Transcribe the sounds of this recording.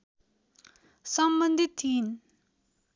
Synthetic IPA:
sʌmbʌnd̪ʱit̪ʰːin

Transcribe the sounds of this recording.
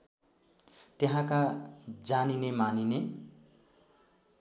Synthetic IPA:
t̪eɦãkad͡zaninemanine

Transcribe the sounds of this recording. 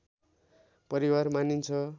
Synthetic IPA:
pʌɾiwarmanint͡sʰʌ

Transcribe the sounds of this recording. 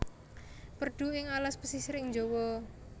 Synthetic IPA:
pərɖ̥ṳɪŋalaspəsisɾɪŋd͡ʒowɔ

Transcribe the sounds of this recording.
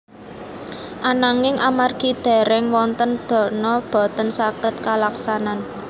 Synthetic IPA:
ʔanaŋɪŋʔamarɡ̥id̪̥ɛ̤ɾɛŋwɔnt̪ənd̪̥ɔ̤nɔb̥ɔ̤t̪ənsakət̪̚kalaksanan

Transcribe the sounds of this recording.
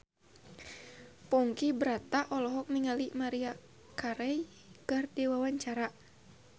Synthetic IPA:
pɔŋkibɾat̪aʔɔlɔɦɔk̚niŋalimaɾia | kaɾɛ | ɡ̥ardiwawaɲt͡ʃaɾa

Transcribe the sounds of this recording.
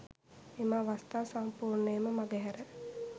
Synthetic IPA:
emaːʋast̪aːsampuːrneəməmaɡɛɦɛɾə

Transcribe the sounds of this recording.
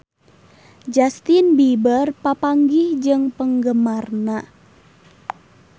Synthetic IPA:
d͡ʒast̪inbibərpapaŋɡɪhd͡ʒɨŋpəŋɡəmarna

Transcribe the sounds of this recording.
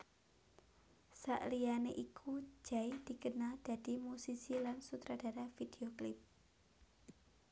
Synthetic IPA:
sa̰ʔlianeʔikʰu̥d͡ʒ̥aid̥i̤kənald̥a̤d̥imusisilansut̪ɾad̥aɾafid̥eoklɪp̚

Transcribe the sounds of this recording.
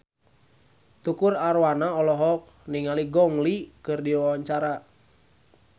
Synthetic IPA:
t̪ukʊraɾwanaɔlɔɦɔk̚niŋaliɡɔŋlikɨrdiwawaɲt͡ʃaɾa

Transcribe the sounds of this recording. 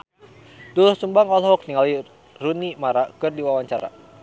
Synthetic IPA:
dulʊhsumbaŋɔlɦɔk̚niŋali | runimaɾakɨrdiwawaɲt͡ʃaɾa̰

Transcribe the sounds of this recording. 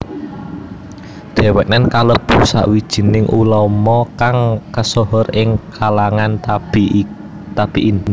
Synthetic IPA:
d̪̥ɛ̤wɛʔnankalob̥usa̰ʔwid̥ʒ̥i̤nɪŋʔṵlɔmɔkaŋkəsoɦɔrɪŋkʰalaŋanb | t̪ab̥iʔi

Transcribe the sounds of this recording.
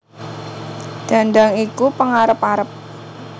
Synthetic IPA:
d̥a̤nɖaŋikupəŋaɾəpaɾəp̚

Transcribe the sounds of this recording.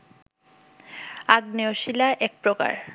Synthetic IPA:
aɡneoʃilaʔɛk̚pɾoka̰ɾ

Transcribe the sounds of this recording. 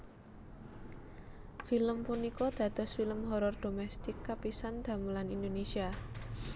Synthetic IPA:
filəmpunikɔd̪̥ä̤d̪̥ɔ̤sfiləmɦɔɾɔrd̪̥o̤mɛst̪ɪkːapisand̪̥ä̤mulanind̪onesia

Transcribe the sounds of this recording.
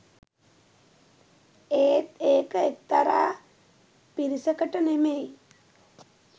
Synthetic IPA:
eːt̪eːkəek̚t̪aɾaː | piɾisəkəʈənemej

